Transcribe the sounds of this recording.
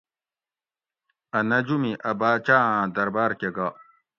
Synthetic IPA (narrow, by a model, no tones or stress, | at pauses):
ɐnɐd͡ʒumiʔɐbaːt͡ʃaãd̪ɐɾbaːɾkʲeɡa